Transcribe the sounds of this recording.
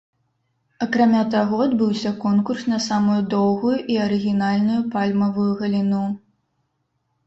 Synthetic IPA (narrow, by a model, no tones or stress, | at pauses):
ɐkɾamʲat̪aɣɔɐd̪bɨwsʲɐkɔnkursnɐsamujud̪ɔwɣujuʔiɐɾɨɣʲinalʲnujupalʲmɐvujuɣɐlʲinu